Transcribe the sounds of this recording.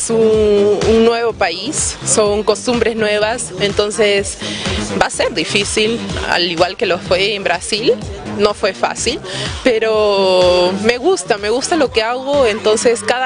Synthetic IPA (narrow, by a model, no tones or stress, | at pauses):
sunuŋnwe̞βo̞paisːo̞ŋko̞st̪umbɾe̞znwe̞β̞as | e̞nt̪o̞nse̞sbase̞ɾðifisila̰liɣwalke̞lofwe̞ːmbɾasil | no̞fwe̞fa̰silpe̞ɾo̞ | me̞ɣust̪ame̞ɣust̪alo̞keaɣo̞e̞nt̪o̞nse̞skað